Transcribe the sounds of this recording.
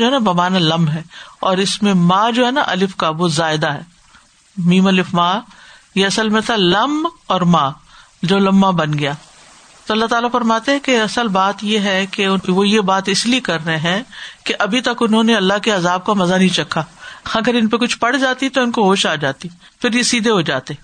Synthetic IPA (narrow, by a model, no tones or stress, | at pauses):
oɦɛnabɐmaːnalɐ̃mɦɛːɔːɾɪsmẽmaːd͡ʒoːɦɛna̰ʔɐlɪfkaʋozaːɪd̪aɦɛ̰ː | mĩːmɐlɪfmaːjeɐsəlmẽt̪ʰalɐmɔːɾmaː | d͡ʒoːlɐmːabɐnɡɐjaː | t̪oɐlːaɦt̪aːlafɐɾmaːt̪eɦɛ̃keɐsəlbaːt̪jeɦɛkeʊʋojebaːt̪ɪsliekɐɾːɐeɦɛ̃keʔɐbʱit̪ɐkʊnɦõːneɐlːaɦkeɐzaːb̚kamɐzanɐɦĩt͡ʃɐkʰːaːɐɡəɾɪnpekʊt͡ʃʰpɐɽd͡ʒaːt̪iɛt̪oɪnkoɦoːʃaːd͡ʒaːt̪i | fɪɾjesiːd̪ʱeɦod͡ʒaːt̪eɛ